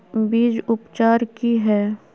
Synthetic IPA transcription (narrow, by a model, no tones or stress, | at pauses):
biːd͡ʒʊpt͡ʃaːɾkiɦɛː